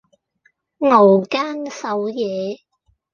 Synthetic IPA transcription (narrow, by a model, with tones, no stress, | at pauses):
ŋo˨˩wkaː˥nsɐ˨˧˥wjɛː˨˧